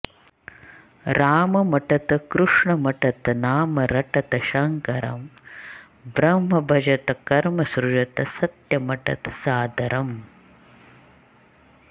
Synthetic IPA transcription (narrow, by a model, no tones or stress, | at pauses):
ɾaːmɐmɐʈɐt̪ɐkɾuʂɳɐmɐʈɐt̪ɐnaːmɐɾɐʈɐt̪ɐʃɐŋkɐɾɐ̰m | bɾɐmɦɐbʱɐd͡ʒɐt̪ɐkɐɾmɐsɾud͡ʒɐt̪ɐsɐt̪jɐmɐʈɐ̰t̪ɐ̥saːd̪ʱɐɾɐm